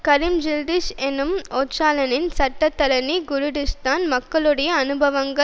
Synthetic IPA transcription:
kɐɾɪmd͡ʒɪld̪ɪʃenɯmoːt͡ʃːaːlɐnɪnsɐʈːɐt̪ːɐɾɐniɡʊɾʊɽɪst̪aːnmɐkːɐɭɯɽɐjɐːnɯbɐʋɐŋɡɐ

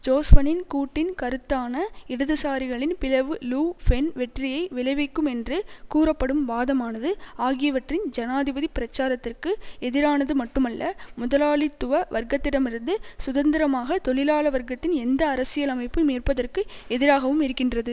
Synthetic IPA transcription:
d͡ʒoːsfɐnɪnkuːʈːɪnkɐɾɯt̪ːaːnɐɪɽɐðɯsaːɾɪɣɐɭɪnpɪlɐʋɯluːfɛnʋɛʈrɪjɐɪʋɪlɐɪʋɐɪkːɯmɛndrɯkuːɾɐpːɐɽɯmbaːðɐmaːnɐðɯaːɣɪjɐʋɐʈrɪnd͡ʒɐnaːðɪbɐðipɪɾɐt͡ʃːaːɾɐt̪ːɪrkɯɛðɪɾaːnɐðɯmɐʈːɯmɐlːɐmʊðɐlaːɭɪt̪ːʊʋɐʋɐɾɡɐt̪ːɪɽɐmɪɾɯnd̪ɯsʊðɐnd̪ɪɾɐmaːɣɐt̪ɔɭɪlaːlɐʋɐɾɡɐt̪ːɪnɛnd̪ɐːɾɐsɪjɐlɐmɐɪpːɯmiːrpɐðɐrkɯɛðɪɾaːɣɐʋɯmɪɾɯkːɪndrɐðɯ

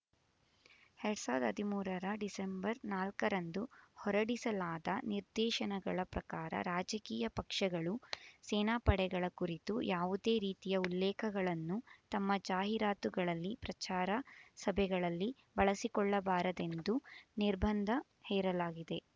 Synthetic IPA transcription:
hɛɾsaːd̪ɐd̪ʱimuːɾɐɾɐɖisembɐɾnaːlkɐɾɐnd̪uhɔɾɐɽisɐlaːd̪ɐniɾd̪ɛːʃɐnɐɡɐɭɐpɾɐkaːɾɐ̰ɾaːd͡ʒɐkiːjɐpɐkʂɐɡɐɭusɛːnaːpɐɽɛɡɐɭɐkuɾit̪ujʔaːʋud̪e̞ːɾiːt̪ijɐulːɛːkʰɐɡɐɭɐnːut̪ɐmːɐd͡ʒaːɦiɾaːt̪uɡɐɭɐlːipɾɐt͡ʃaːɾɐsɐbʱɛɡɐɭɐlːi | bɐɭɐsikɔɭːɐbaːɾɐd̪e̞nd̪uniɾbʱɐnd̪ʱɐ | hɛːɾɐlaːɡid̪e̞

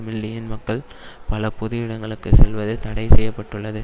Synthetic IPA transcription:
mɪlːɪjɪnmɐkːɐɭ | pɐlɐpʊðɯjɪɽɐŋɡɐɭɯkːɯsɛlʋɐðɯt̪ɐɽɐɪsɛjːɐpːɐʈːɯɭːɐðɯ

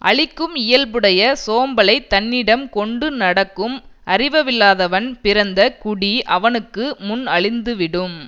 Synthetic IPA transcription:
ʔɐ̰ɭɪkːɯmɪjɐlbɯɽɐjɐsoːmbɐlɐɪt̪ːɐnːɪɽɐmkɔɳɖɯnɐɽɐkːɯmʔɐrɪʋɐʋɪlːaːðɐʋɐnpɪɾɐnd̪ɐkʊɽiʔɐʋɐnɯkːɯmʊnɐɭɪnd̪ɯʋɪɽɯm

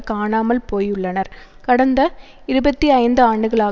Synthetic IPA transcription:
kaːnaːmɐlpoːjʊɭːɐnɐɾ | kɐɽɐnd̪ɐ | ɪɾɯbɐt̪ːiɐɪnd̪ɯaːɳɖɯɣɐɭaː

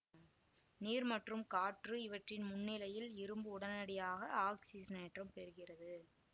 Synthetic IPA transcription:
niːɾmɐʈrɯmkaːʈrɯɪʋɐʈrɪnmʊnːɪlɐjɪlɪɾɯmbɯʊɽɐnɐɽɪjaːɣɐaːksisneːʈrɐmpɛɾɯɣɪrɐðɯ

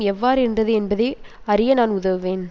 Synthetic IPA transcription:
ɛʋːaːɾɯɛndrɐðɯɛnbɐðeː | ɐɾɪjɐnaːnʊðɐʋɯʋeːn

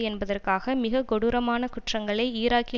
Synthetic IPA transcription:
ɛnbɐðɐrkaːɣɐmɪɣɐɡɔɽʊɾɐmaːnɐkʊʈrɐŋɡɐɭɐɪiːɾaːkɪ

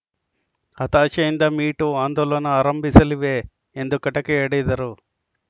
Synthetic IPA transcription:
hɐt̪aːt͡ʃejind̪ɐmiːʈuaːnd̪oːlɐnɐaːɾɐmbisɐliʋeː | end̪ukːɐʈɐkiɐɽed̪ɐɾu

